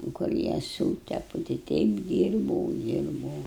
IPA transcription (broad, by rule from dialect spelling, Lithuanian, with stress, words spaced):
kʊr ˈjiɛ ˈsuːtʲɛpʊ tɐɪ ˈtʲɛɪp ˈdʲiːrbɐʊ ˈdʲiːrbɐʊ